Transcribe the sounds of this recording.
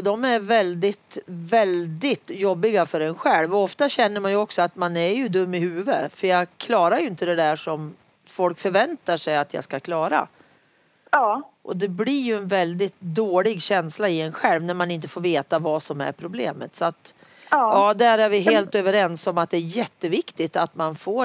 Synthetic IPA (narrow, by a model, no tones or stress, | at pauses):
ɔd̪ɔmæɾvɛld̪ɪt̪vɛld̪ɪt̪jɔbːɪɡafœɾɛnɧɛlvɔɔft̪aɕɛnːəɾmanjɵɔksɔat̪manæɾjɵd̪ɵmːɪhʉ̟ːvəfœɾjɑːɡkʰlɑːɾaɾjɵɪnt̪əd̪ɛd̪æʂɔm | fɔlkfœɾvɛnt̪aʂɛjat̪ʰjɑ̰ːskakʰlɑːɾa̰ | ʔɔd̪ɛblɪɾjɵɛnvɛld̪ɪt̪d̪oːɭɪɡɕɛnslaɪɛnɧɛlvnæɾmanɪnt̪ə̥foːɾveːt̪avɑsɔmæ̰ɾpʰɾʊblḛːmə̰t̪sɔat̪ː | ɑːd̪æɾæɾvɪɦeːlt̪øːvəɾɛnsɔmat̪̚d̪ɛæɾjɛt̪ːəvɪkt̪ɪt̪at̪manfoː